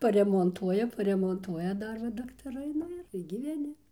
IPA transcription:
pɐrʲɛmoːnˈtuɔjɛ pɐrʲɛmoːnˈtuɔjɛ ˈdɐr ʋɐ dɐktɐˈrɐɪ ˈnʊ ɪr ɡʲiːʋʲɛˈnʲɪ

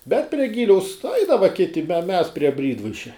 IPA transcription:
bʲɛt pʲrʲiɛ ˈɡʲɪlʲɛʊs ˈɐɪdɐʋɐ ˈkʲɪtʲɪ mʲɛ mʲɛs pʲrʲiɛ ˈbʲrʲiːdʋɐɪʃʲɛ

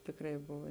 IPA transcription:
ˈtʲɪkrɐɪ ˈbʊʋɐ

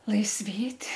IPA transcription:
lˠɐɪsʲˈʋʲeːtʲ

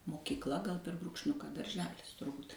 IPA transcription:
moːkʲiːkˈlˠɐ ɡɐlˠ pʲɛr bruːkʃʲˈnʲʊkɐ dɐrʲˈʒʲæːlʲɪs tʊrˈbʊt

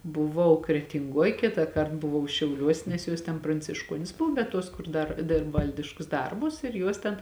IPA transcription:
bʊˈʋɐʊ krʲɛtʲɪŋˈɡuɔj ˈkʲɪtɑːˌkɐrt bʊˈʋɐʊ ʃʲɛʊˈlʲuɔsʲ nʲɛs ˈjoːs tʲɛn prɐnʲt͡sʲɪʃˈkuɔnʲɪs ˈbʊw bʲɛt ˈtuɔs ˈkʊr ˈdɐr ˈdʲɪrp ˈʋɐlʲdʲɪʃkʊs ˈdɐrbʊs ɪr ˈjuɔs tʲɛn

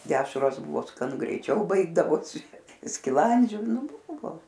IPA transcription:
ˈdʲæːʃroːs ˈbʊʋoː skɐˈnʊ ɡrʲɛɪˈt͡ʃʲɛʊ ˈbɐɪɡdɐʋoːsʲɪ sʲkʲɪˈlˠɐnʲd͡ʒʲʊ ˈnʊ ˈbʊʋoː

